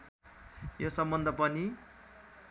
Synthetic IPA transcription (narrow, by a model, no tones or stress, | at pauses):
josʌmbʌnd̪ʱʌpʌni